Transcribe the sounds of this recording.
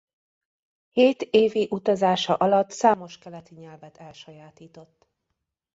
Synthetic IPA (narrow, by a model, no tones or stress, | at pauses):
heːt̪eːviʔut̪ɒzaːʃɒʔɒlɒt̪saːmo̞ʃkɛlɛt̪iɲɛlvɛt̪ɛlʃɒjaːt̪iːt̪o̞t̪ː